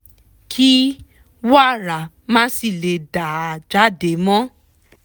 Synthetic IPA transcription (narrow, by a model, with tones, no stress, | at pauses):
kʰi˦ | wa˦˨ɾa˨ | mãː˦si˦˨le˨da˨d͡ʒa˨˦de˨˦mɔ̃˦